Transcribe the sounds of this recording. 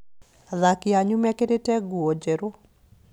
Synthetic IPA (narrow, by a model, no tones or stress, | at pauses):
ðakɪaɲumɛkedetɛɡuod͡ʒeɾo